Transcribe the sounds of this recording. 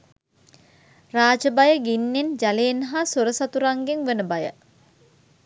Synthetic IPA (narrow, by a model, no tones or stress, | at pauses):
raːd͡ʒəbajəɡinːend͡ʒaleːnɦasoɾəsat̪uɾaŋɡeŋʋənəbajə̰